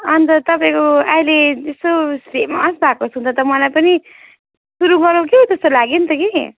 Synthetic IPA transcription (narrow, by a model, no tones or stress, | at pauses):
ʌnt̪ʌt̪ʌpaĩkoaijleest̪osemasbʱakosɦũnt̪ʰʌt̪ʌmʌlajpʌni | suɾuɡʌɾõkeɦot̪ʌst̪olaɡint̪ʌke